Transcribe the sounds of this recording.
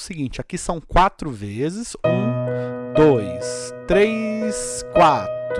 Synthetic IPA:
sɪɡĩt͡ʃɪakisɐ̃w̃kwat̪ɾʊvezɪzũd̪ojst̪ɾejskwat̪

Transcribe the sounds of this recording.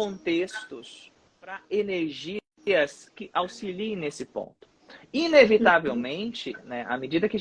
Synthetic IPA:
õnt̪est̪ʊs | pɾɐeneɾʒi | ɐskɪʔawsiliẽj̃nesɪpõ̰nt̪ʊ̥ | inevit̪avewmẽnt͡ʃɪnɛa̰mɪd͡ʒid̪ɐkɪ

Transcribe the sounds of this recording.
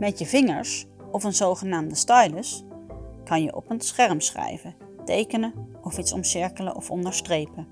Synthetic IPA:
mɛtjəvɪŋə̰ɹs | ɔfənzowχənaːmdəstɑjləs | kɑnjə̰ʔɔ̰pənsχɛɹmsχɛ̰jvə | tejkənə | ɔfitsɔ̰msɪɹkələ̰ʔɔfɔ̰ndəɹstrejpə

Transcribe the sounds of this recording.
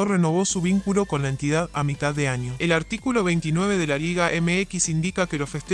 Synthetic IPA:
oreno̞βo̞suβiŋkulo̞ko̞nlaent̪ið̞aðamit̪aðːeaɲjoelaɾt̪ikulo̞βejnt̪inwe̞β̞e̞ð̞elaliɣaʔemeekisind̪ikakelosfest̪e

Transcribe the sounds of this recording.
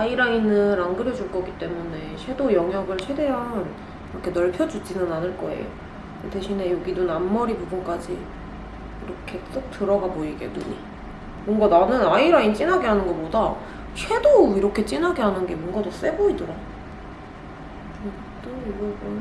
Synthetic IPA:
aiɾainːɯnɾaŋɡɯɾʌd͡ʑuɭk͈ʌk͈it͈e̞mune̞t͡ɕʰwe̞dojʌŋɦjʌɡɯɭt͡ɕʰe̞de̞ɦan | iɾʌkʰe̞nʌɭpʰjʌd͡ʑud͡ʑinɯnanɯɭk͈ʌḛjo̰ | eteɕʰine̞joɡidonamːʌɾipubunk͈ad͡ʑḭ | iɾʌkʰe̞t͈ɯk̚tʰɯɾʌɡaboiɡḛnṵi | mʌŋɡananɯnaiɾaint͡ɕ͈inɦaɡeɦanɯnɡʌmoda | t͡ɕʰwe̞doiɾʌkʰe̞t͡ɕ͈inɦaɡe̞ɦanɯnɡe̞mʌnɡados͈e̞boidɯɾa | kɯɡ | t͈ooɡʌbɯn

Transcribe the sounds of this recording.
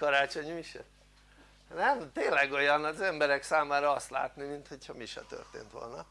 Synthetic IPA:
kɒɾaːt͡ʃo̞ɲmiʃɛ̰ | nɛmt̪eːnlɛɡo̞jɒnɒzɛmbɛɾɛksaːmaːɾɒɒst̪la̰ːt̪nimint̪ho̞chɒmiʃɛ̰t̪ø̰rt̪ḛːnt̪ʋo̰lnɒ

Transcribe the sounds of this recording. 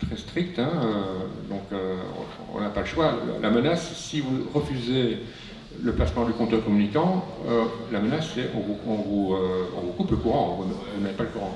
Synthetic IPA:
t̪χɛst̪χik̚t̪ɛ̃ød̪ɔ̃kø̰̃ | ɔ̰̃napaləʃwa̰lʔamənasːivuʁəfyze | ləplasmɑ̃d̪ykɔ̃t̪økɔmynikɑ̃ølamənasːɛʔɔ̃vuɔ̃vuøɔ̰̃vukupləkuʁɑ̃ɔ̃vumvunmɛt̪paləkuʁɑ̃

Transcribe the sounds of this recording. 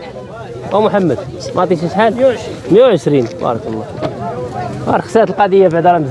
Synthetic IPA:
ʔæmʊħamːəd̪ | mʔɑt̪ˤiʃiʃħal | məjuʕəʃɾinbɑ̰ɾˤɑkəlˤːɑ | bɑ̰ɾˤəksæt̪əlqɑd̪əjːafiʕd̪ɑɾˤɑməz

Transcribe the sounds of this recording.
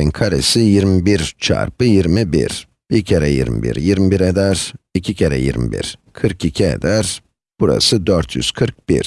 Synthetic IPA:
inkʰaɾḛsijiɾmibiɾt͡ʃʰa̰ɾpɯjiɾmibḭɾ | icʰeɾɛjḭɾmḭbḭɾjiɾmibiɾed̪æɾicʰicʰeɾɛ̰jḭɾmḭbḭɾkʰɯɾkicʰiḛd̪æɾ | b̥uɾa̰sɯd̪øɾt̪ʰjy̰z̥kʰɯɾk̚b̥ḭɾ̥

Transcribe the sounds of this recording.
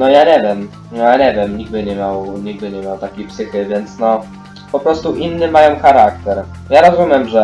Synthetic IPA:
nɔjaɲɛvʲjɛm | aɲɛvʲjɛmɲiɡ̚b̪ɘɲɛmʲjawɲiɡ̚b̪ɘɲɛmʲjawt̪akʲejpsɘxɘvʲjɛnt̪snɔ | pɔpɾɔst̪uʔinːɘmajɔ̃w̃xaɾak̚t̪ɛɾ | jaɾɔzumʲjɛmʐɛ

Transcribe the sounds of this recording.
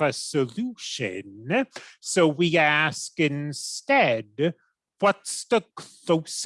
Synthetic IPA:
ɨsɨluʃɨ̰̃n | soʊwiæskɪ̃nstɛd̚ | wʌtsðɨkʰl̥oʊs

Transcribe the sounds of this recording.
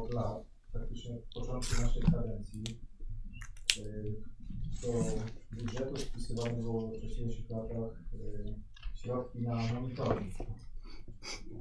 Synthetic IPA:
t̪lat̪ | pɾak̚t̪ɘt͡ʂɲɛt̪pɔt͡ʂɔnt̪̚kunaʂɛjkad̪ɛnt̪sʲji | t̪ɔbudʐɛt̪ufpʲisɨvanɛbɘwɔvɔkʂɛɕlʲejʂɘxlat̪ax | ɕɾɔt̪kʲinamɔmit̪ɔɾik

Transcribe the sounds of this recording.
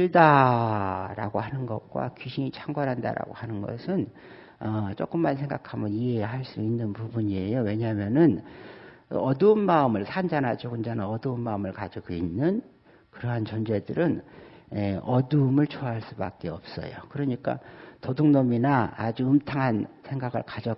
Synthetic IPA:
iɭda | ɾa̰ɡohanɯnɡʌk̚k͈wa̰kiɕʰimit͡ɕʰaŋɡwʌnɦanda̰ɾa̰ɡo̰hanɯnɡʌ̰sʰɯn | ʌt͡ɕ͈ok͈ɯmːansʰe̞ŋɡakʰamɯniɦe̞ɦaɭs͈uinːɯnpubuɲie̞jowe̞ɲamjʌnɯn̰ | ʌduːmmaɯmɯɭsʰand͡ʑanad͡ʑoɡund͡ʑanaʌduɯmmaɯmɯɭkad͡ʑiɡoinːɯn | kɯɾʌɦant͡ɕʌnd͡ʑe̞dɯɾɯn | eʌduːmɯɭt͡ɕʰoaɦaɭs͈uba̰k̚k͈e̞ʌp̚s͈ʌ̰jo̰kɯɾʌɲik͈a̰tʌduŋnominaːd͡ʑuɯmtʰaŋɦansʰe̞ŋɡaɡɯɭkad͡ʑʌ

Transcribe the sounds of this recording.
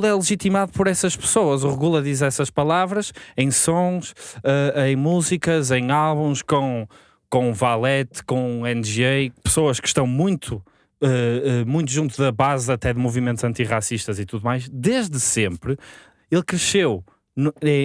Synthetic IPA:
uɛlˠɨʒit̪imaðupɔɾɛsɐʃpɨ̥soɐzuʁɨɣulˠɐðizɛsɐʃpɐlˠavɾɐʃẽj̃sõʃɛɐ̃j̃muzikɐzẽj̃alˠβũʃkõ | kõvalˠɛt̪kõɛnʒepɨ̥soɐʃkɨ̥ʃt̪ɐ̃w̃mũj̃t̪ʰu | ɛɛmũj̃t̪uʒũnt̪̬uðɐβazɐt̪ɛðɨmuvimẽnt̪zɐ̃nt̪iʁasiʃt̪ɐzit̪uðumajʃd̪eʒðɨsẽmpɾɨ | elˠkɾɨʃew | nɛ

